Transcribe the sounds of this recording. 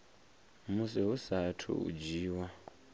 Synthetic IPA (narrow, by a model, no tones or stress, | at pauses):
musɛɦusatʰṵṵd͡ʒiːwa